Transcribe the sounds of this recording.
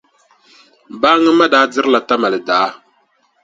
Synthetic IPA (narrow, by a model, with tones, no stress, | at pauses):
baː˦ŋə˦ma˦daː˨˦di˦ɾla˨ta˦ma˨lə˨daː˨˦